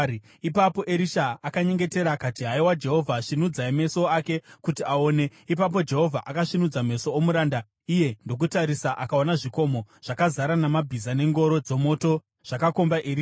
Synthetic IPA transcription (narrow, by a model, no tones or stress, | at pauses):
ipapo̞ʔeɾiʃaːkaɲe̞ŋɡe̞te̞ɾakatiɦaiwad͡ʒe̞ɦo̞vʱaʂinud͡zaime̞so̞ake̞kutiao̞ːne̞ipap̬o̞d͡ʒe̞ɦo̞vʱaʔakaʂinud͡zame̞so̞omuɾaːnda | ije̞ndo̞k̬utaɾisaʔakaonaʐiko̞mo̞ʐ̥akazaɾanamabʱizane̞ŋɡo̞ɾo̞d͡zo̞mo̞to̞ | ʐ̥akako̞mbaʔeɾi